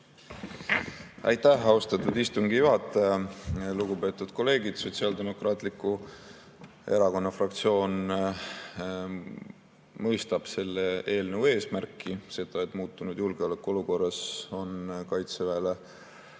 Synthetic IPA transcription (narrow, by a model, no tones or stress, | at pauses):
æ̰jt̪ːæhɑost̪ɑt̪ud̪ist̪uŋɡijuɦɑt̪ːˑɑjɑluɡ̥ube̞ːt̪ːˑud̪̥ko̞lːe̞ːɡid̪̥so̞t̪siɑːld̪e̞mo̞krɑːt̪ˑlikːu | e̞ɾɑko̞nːɑfrɑkt̪sio̞ːn | mɤ̞jst̪ɑb̥se̞lːee̞ːlnevwe̞ːsmærkːise̞t̪ːˑɑe̞t̪ːˑmuːt̪ːˑunud̪̥julɡ̥eolekːˑo̞luko̞rːɑso̞nkɑjt̪sevæːle